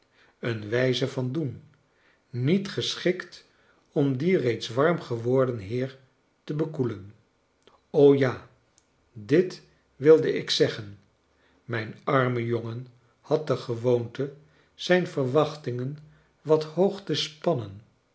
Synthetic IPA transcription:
ənʋɛjzəvɑndun | nitχəsχɪkt | ɔmdirejtsʋɑɹmχəʋɔɹdənɦɪːɹ | təbəkulən | owjaː | dɪt | ʋɪlˠdəɪksɛχən | mɛjnɑɹməjoŋən | hɑt̚dəχəʋowntə | z̥ɛjnfəɹʋɑχtɪŋən | ʋɑthowχtəspɑnən

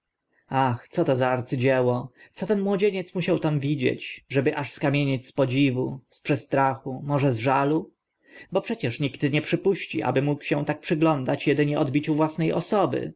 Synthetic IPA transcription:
axt̪sɔt̪ɔzaaɾt̪sɘd͡ʑɛwɔt̪ɔt̪ɛnmwɔd͡ʑeɲɛt̪smuɕawt̪amvʲid͡ʑḛt͡ɕʐɛbɘʔaʂskamʲjeɲet͡ɕʲspɔd͡ʑivuspʂɛst̪ɾaxumɔʐɛzʐalu | bɔpʂɛt͡ɕɛʂɲiɡt̪ɲɛpʂɘpuɕt͡ɕḭʔa̰bɘmukɕɛ̃t̪ak̚pʂɘɡlɔnd̪at͡ɕjɛd̪ɘɲɛʔɔd̪bʲit͡ɕuvwasnɛjʔɔ̰sɔbɘ̰

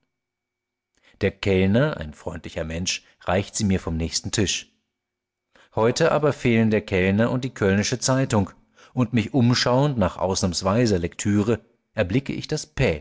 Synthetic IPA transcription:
d̥eːɐkʰɛlnɐʔa̰ɪnfʁ̥ɔʏntlɪçɐmɛnʃ | ʁaɪçtz̥iːmiːɐfɔmnɛːçstn̩tʰɪʃ | hɔʏtəʔa̰ːbɐfeːləndeːɐkʰɛlnɐʔʊnt̚d̥iːkʰœlnɪʃət͡saɪtʊŋ | ʔʊntmɪçʔʊmʃaʊəntnaːχʔa̰ʊsnaːmsv̥aɪzɐlɛktʰyːʁə | ʔɛɐblɪkə̰ʔɪ̰çd̥aspʰɛː

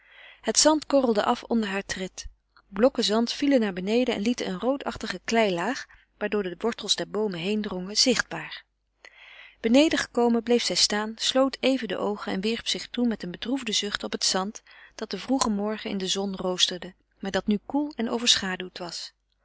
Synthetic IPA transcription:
hətsɑntkɔrəlˠdəʔɑfɔndəɹɦaːɹtrɪt | blɔkəzɑntfilənaːɹbənejdəɛ̰nlitənənrowtɑχtəχəklɛjlaːχ | ʋaːɹdʊːɹdəʋɔɹtəlˠzdɛɹbowməɦejndrɔŋəz̥ɪχd̚baːɹ | b̥ənejdəχə̥kowməblejfsɛjstaːnslowtejvəndə̰ʔowχənɛ̰nʋɪɹpsɪχtumɛtənbədruvdəzɵχtɔpətsɑntd̥ɑt̚d̥əvruχəmɔɹχənɪ̰ndəzɔnrowstəɹdə | maːɹdɑtnykulˠɛno̰wvəɹsχaːdywtʋɑs

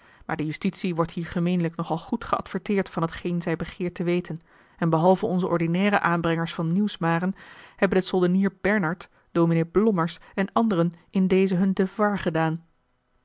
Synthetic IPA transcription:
maːɹdəjystitsiʋɔɹtɦiːɹχəmejnələknɔχɑlˠχutχəɑ̰tfəɹtɪːɹtfɑnɦətχejnzɛjbəχɪːɹtəʋejtʰən | ɛnbəɦɑlˠvəɔnzəʔɔɹdinɛːrəʔaːnbrɛŋəɹsfɑnːiwsmaːrənhɛbənəsɔlˠdəniːɹb̥ɛɹnɑɹt | d̥omineblɔməɹsɛnɑndərənɪndejzəɦɵndəvaɹχədaːn

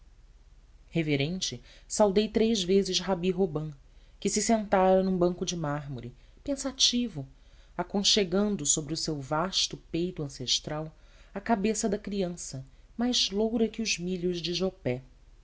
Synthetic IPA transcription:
heveɾẽnt͡ʃɪsawd̪ejt̪ɾezvezɪzɦabiɦobɐ̃ | kɪsɪsẽnt̪aɾɐnũbɐ̃ŋkʊd͡ʒɪmaɦmoɾɪ | pẽsat͡ʃivʊ | akõʃeɡɐ̃nd̪ʊsobɾɪʊsewvaʃt̪ʊpejt̪ʊɐ̃seʃt̪ɾawakabesɐd̪ɐkɾiɐ̃sɐ | majzlowɾɐkɪʊzmiʎʊzd͡ʒɪʒopɛ

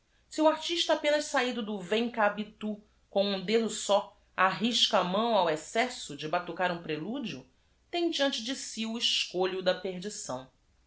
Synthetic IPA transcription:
siuaɾt͡ʃiʃt̪ɐapẽnɐʃsaid̪ʊd̪ʊvẽŋkabit̪u | kõw̃ũd̪ed̪ʊsɔ | aɦiʃkamɐ̃w̃awɛsɛsʊd͡ʒɪbat̪ukaɾũpɾelud͡ʒiʊ | t̪ẽj̃d͡ʒiɐ̃nt͡ʃɪd͡ʒɪsiʊɪʃkoʎʊd̪ɐpeɦd͡ʒisɐ̰̃w̃

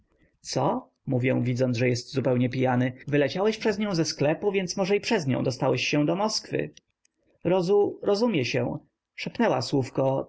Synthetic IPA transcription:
t̪sɔ | muvʲjɛw̃vʲid̪zɔnd̪ʐɛjɛst̪zupɛwɲɛpʲijanɘvɘlɛt͡ɕawɛɕpʂɛzɲɔ̃w̃zɛsklɛpuvʲjɛnt̪smɔʐɛipʂɛzɲɔ̰̃w̃d̪ɔst̪awɛɕɕɛ̃d̪ɔmɔskfɘ̰ | ɾɔzuɾɔzumʲjɛɕɛ̃ | ʂɛpnɛwaswufkɔ

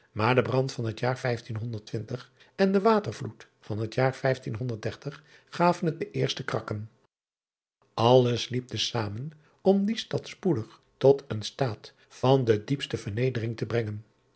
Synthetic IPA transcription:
maːɹdəbrɑntfɑnɦətjaːɹfɛjftinɦɔndəɹtʋɪntəχ | ɛndəʋaːtəɹvlut | fɑnɦətjaːɹfɛjftinɦɔndəɹt̚d̥ɛɹtəχ | χaːvənɦət̚dəʔɪːɹstəkrɑkən | ʔɑlˠəslip̚dəsaːmən | ɔmdistɑtspudəχ | tɔtənstaːt | fɑndədipstəvəɹnejdərɪŋtəbrɛŋən

